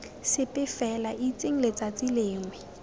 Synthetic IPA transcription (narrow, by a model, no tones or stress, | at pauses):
sɪpʼɪfɛlaʔit͡sʼeŋ̩let͡sat͡sileːŋwɪ